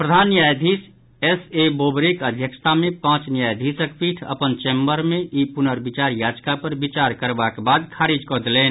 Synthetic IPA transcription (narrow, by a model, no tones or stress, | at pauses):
pɾəd̪ʱanjajd̪ʱis | esebobɾekəd̪ʱjəkst̪ʰamẽpãt͡ʃnijajd̪ʱisəkpiʈʰə̰pənt͡ʃembəɾmeʔipunəɾbit͡ʃaɾjad͡ʒkapəɾbit͡ʃaɾkəɾbakebad̪kʰaɾid͡ʒkɔd̪elen